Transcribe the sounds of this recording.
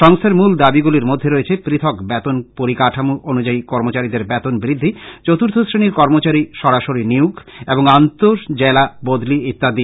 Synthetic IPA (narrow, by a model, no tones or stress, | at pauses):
ʃɔŋst̪ʰeɾmuld̪abiɡuliɾmod̪ʱːeɾoet͡ɕʰepɾit̪ʰokbɛt̪onpoɾikaʈʰamuʔonud͡ʑaikɔɾmot͡ɕaɾid̪eɾbɛt̪onbɾid̪ʱːit͡ɕot̪uɾt̪ʰosɾiniɾkɔɾmot͡ɕaɾiʃɔɾaʃoɾiniukʰeboŋant̪oɾd͡ʑelabod̪liit̪ːad̪i